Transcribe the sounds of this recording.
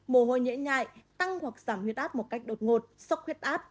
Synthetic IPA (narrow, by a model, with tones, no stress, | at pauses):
mo˨˩˦ɦo̰˧˨jɲḭ˧˥əmɲa̰ː˧˨jt̪a˧ŋhwa˨˩k̚z̥aː˧˩mhwi˨˩ət̚ʔaː˦˥t̚mo˨˩t̚ka˦˥jk̚ɗo˨˩t̚ŋo˨˩t̚sɔ˦˥wxwi˦˥ət̚ʔaː˦˥t̚